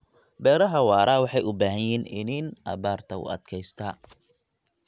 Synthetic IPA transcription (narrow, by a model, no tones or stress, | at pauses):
bɛːɾɐɦɐwɑːɾʔaːwɑħɑjʊbaːɦɐjiːnɪninɐ̰βaːrt̪ʰɐʊ̰ɐ̰d̪kʰɛjst̪ʰaː